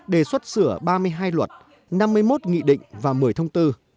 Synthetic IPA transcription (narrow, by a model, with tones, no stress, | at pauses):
ɗe˧˩swə˦˥t̚sɨ˧˩əɓaː˧mɨ˧əjɦaː˧jlwə˨˩t̚ | na˧mːɨ˧əjmo˦˥t̚ŋḭ˧˨ɗḭ̈˧˨ŋ̟vaː˨˩mɨ˨˩əjt̪ʰə˧wŋ͡mt̪ɨ˧